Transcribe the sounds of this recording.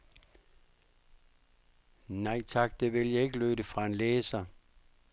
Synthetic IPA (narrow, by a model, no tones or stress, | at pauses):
nɑ̈ɪ̰t͡sʰɑ̈ɡ̥d̥e̝ʋe̝ljɑ̈e̝ɡ̥əløːɾəfʁɑ̈e̝nleːsɐ